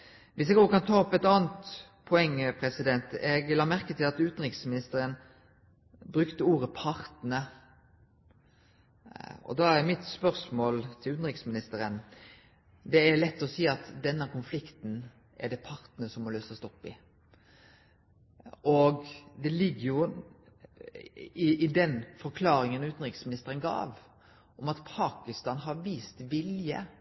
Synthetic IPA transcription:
ʋɪsɛːɡoːəkʰɑnt̪ʰɑːɔpɛt̪ɑːnt̪ | pʰɔɛŋːpʰɾɛsɪd̪ɛnt̪ɛɡlɑːmæɾkət̪ʰɪlɑt̪ʉːt̪ən̩ʁɪksmɪnɪst̪əɾən | bɾʉkt̪əuːɾəpʰɑɾt̪nə | ɔ̰d̪ɑːæɾmɪt̪spœʁsmoːlt̪ʰɪlʉːt̪n̩ɾɪksmɪnɪst̪əɾən | d̪ɛæɾlɛt̪ːɔsiːɑt̪d̪ɛnːəkʰʊnflɪkt̪n̩ | ʔɛ̰ɖɛpʰɑɾt̪nəsɔmːɔløːsəst̪ɔpːɪ̰ | ɔɡd̪ɛlɪɡːəɾjʊ | ɪɪd̪ɛnfɔɾkʰlɑːɾɪŋənʉːt̪n̩ɾɪksmɪnɪst̪əɾənɡɑ̰ːʋ | ʔɔmɑt̪pʰɑːkɪst̪ɑːnɦɑɾʋiːst̪ʋɪljə̰

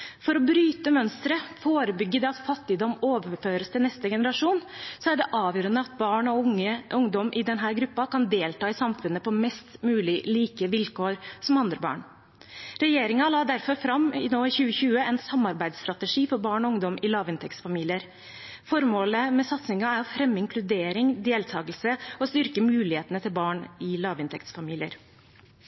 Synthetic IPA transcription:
fɔɾɔbɾyːt̪əmœnst̪ɾəfoːɾəbʏɡːəd̪ɛɑt̪fɑt̪ːɪd̪ɔmoːʋəføːɾəst̪ʰɪlnɛst̪əɡɛnəɾɑʂuːnsɔæɖɛʔɑːʋjøːɾənəɑt̪̚bɑːɳɔʊŋəʔʊŋd̪ɔmʔɪd̪ɛnɦæːɾɡɾʉpːɑkɑnd̪eːlt̪ɑːɪsɑmfʉnːəpʰɔmɛst̪mʉːlɪliːkəʋɪlkoːɾsɔmɑnd̪ɾəbɑ̰ːɳ | ɾɛjeːɾɪŋɑlɑːd̪æɾfɔɾfɾɑmɪnoːɪçʉːəçʉːəɛnsɑmːɑɾbæɪd̪st̪ɾɑt̪əʂiːfɔɾbɑːɳɔʊŋd̪ɔmʔɪlɑːʋɪnt̪ʰɛkt̪sfɑmiːlɪəɾ | fɔɾmoːləmɛsɑt̪snɪŋɑæɾɔfɾɛmːɪŋkʰlʉd̪eːɾɪŋd̪eːlt̪ʰɑːɡəlsəɔst̪ʏɾkəmʉːlɪheːt̪ənət̪ʰɪlbɑːɳɪlɑːʋɪnt̪ʰɛkt̪sfɑmiːlɪə̰ɾ

